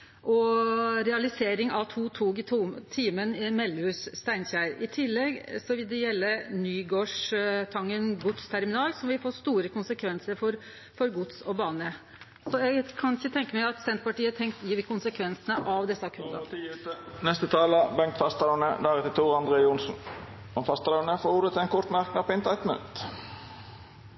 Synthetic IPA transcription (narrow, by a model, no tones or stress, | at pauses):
ʔɔɾɛɑlɪseːɾɪŋɑʋt̪ʰuːt̪ʰuːɡt̪ʰuːmt̪ʰiːmənɪmɛlːʉsːt̪æɪnçæɪɾɪt̪ʰɪlːɛɡsɔʋɪld̪ɛjɛlːənyːɡoːʂt̪ʰɑŋːənɡʊt̪st̪ʰæɾmɪnɑːlsɔmʋɪlfoːst̪uːɾəkʰʊnsəkʰʋɛnsəɾfɔɾ | fɔɾɡʊt̪sɔbɑːnə | sɔɛɡkʰɑnɪçət̪ʰɛŋkəmæɪɑt̪sɛnt̪pɑʈiːət̪ʰɛŋk̚t̪jiːd̪ɪkʰʊnsəkʰʋɛnsənəʔɑʋd̪ɛsːəɑkʰʉɑ̰pːt̪ənɛst̪ət̪ʰɑːləbɛŋt̪fɑst̪lɑnə̰d̪æɾɛt̪ɪt̪ʰuːʁɑnd̪ʁeːʊnsn̩ | ɔfɑst̪əlɑʊnəfoːɾuːd̪ət̪ʰɪɛnkʰɔt̪mæʁknəpɪnt̪ɑɪt̪mʉ̰nt̪